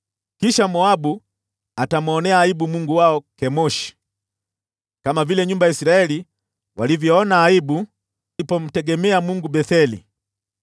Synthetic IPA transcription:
kiʃamɔabu | atamɔnɛaːibumuŋɡuwaɔkɛmɔʃi̥ | kamavilɛɲumbajaisiɾaɛli | walivjɔɔnaːibu | ipɔm̩tɛɡɛmɛamuŋɡubɛθɛlḭ

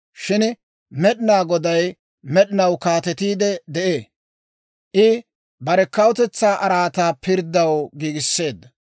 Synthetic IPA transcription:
ʃɪn | mɛɗɪnaːɡɔd̪ɐj | mɛɗɪnɐwkaːt̪ɛt̪iːd̪ɛd̪ɛʔe̞ː | ʔɪ | bɐɾɛkɐwt̪ɛt͡sːaːʔɐɾaːt̪aːpɪɾd̪ːɐwɡiːɡɪsːe̞ːd̪ːɐ

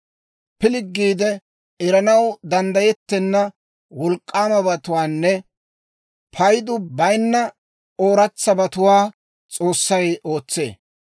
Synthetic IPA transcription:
pɪlɪɡːiːd̪ɛ | ɛɾɐnɐwd̪ɐnd̪ɐjɛt̪ːɛnːɐ | wɔlkʼːaːmɐbɐt̪ʊwaːnːɛ | pʰɐjd̪ʊbɐjnːɐ | o̞ːɾɐt͡sːɐbɐt̪ʊwaː | t͡sʼo̞ːsːɐjo̞ːt͡sːe̞̰ː

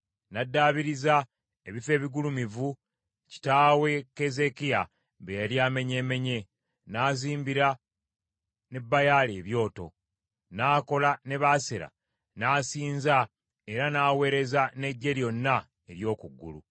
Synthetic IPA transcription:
nadːaːβiɾiza | e̞βife̞ːβiɡulumivu | ci̥taːwe̞ke̞ze̞kia | βejaɾjaːme̞ɲe̞ːme̞ɲe̞ | naːziːmbiɾa | ne̞bːajaːleːβjo̞ːto̞̰ | naːko̞lane̞βaːseɾa̰ | naːsiːnza | e̞ɾanaːwe̞ːɾe̞zane̞ɟːe̞ɾjo̞nːa | e̞ɾjo̞ːkuɡːṵlṵ

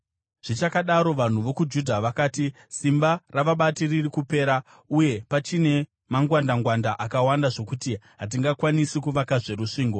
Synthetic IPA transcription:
ʐ̥it͡ʃakaɗaɾo̞ʋan̤uʋo̞kud͡ʒudʱaʋakaːti | simbaraʋaɓatiririkupe̞ːɾa | uje̞pat͡ʃine̞ | maŋɡwandaŋɡwandaʔakawandaʐo̞kutiɦat̬iŋɡakwanisikuʋakaʐe̞ɾuʂiːŋɡo̞

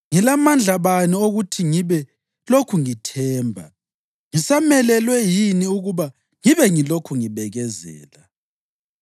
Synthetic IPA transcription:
ŋilamand͡ɮʱaβanioɣutʰiŋiβɛ | lokʰuŋitʰɛːmbʱa̰ | ŋisamɛlɛlwɛjiniuɣuβa | ŋiβɛŋilokʰuŋiβɛɣɛzɛ̰ːla

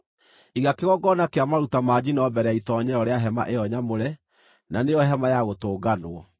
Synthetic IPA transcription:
iɣakeɣɔɡɔnakeamaɾutamaːd͡ʑinɔbɛɾɛaitɔɲɛɔɾeaɦɛma̰ʔeɔɲamoɾɛ | nanejɔɦɛmajaɣotoːɡanwɔ

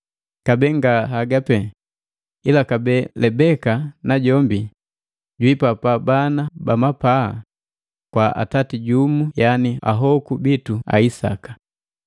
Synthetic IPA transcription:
kabɛŋɡaɦaɡapɛ | ilakabɛlɛbɛkanaɟɔmbi | ɟwipapabanabamapaa̰ | kwaa̰tatiɟumujania̰ɦɔkubitua̰isa̰kḁ

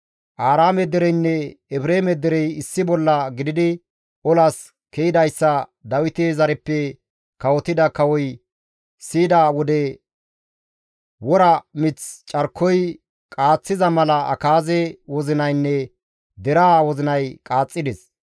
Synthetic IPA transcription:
ʔaːɾaːmɛd̪ɛɾɛjnːɛɛbɾeːmɛd̪ɛɾɛjɪsːɪbɔlːɐɡɪd̪ɪd̪ɪ | ɔlɐs | kɛjɪd̪ɐjsːɐd̪ɐwɪt̪ezɐɾɛpːɛ | kɐwɔt̪ɪd̪ɐkɐwɔj | siːd̪awɔd̪ɛ | wɔɾɐmɪt͡st͡ʃʼɐɾkʰːɔj | kʼaːt͡sːɪzɐmɐlɐɐ̰kaːzɛwɔzɪnɐjnːɛ | d̪ɛɾaːwɔzɪnɐjkʼaːt͡sʼːɪd̪ɛs

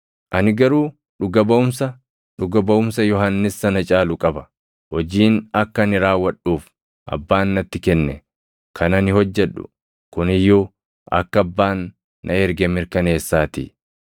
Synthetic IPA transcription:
ʔɐnɪɡɐɾuː | ᶑʊɡɐbɐʔʊmsɐ | ᶑʊɡɐbɐʔʊmsɐjɔɦɐnːɪsːɐnɐt͡ʃʼaːlʊkʼɐbɐ | hɔd͡ʒiːnɐkːɐnɪɾaːwːɐᶑːuːf | ʔɐ̰bːaːnːɐt̪ːɪkɛnːɛ̰ | kʰɐnɐnɪhɔd͡ʒːɛᶑʊ̰ | kʊnɪjːoː | ʔɐ̰kːɐbːaːnː | ɐɛɾɡɛmɪɾkɐne̞ːsːaːt̪ɪ̰

